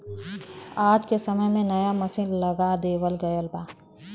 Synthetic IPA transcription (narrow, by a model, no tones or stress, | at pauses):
aːd͡ʒkesɐməjmẽnɐjamɐsiːnlɐɡad̪eːwəlɡɐjolbaː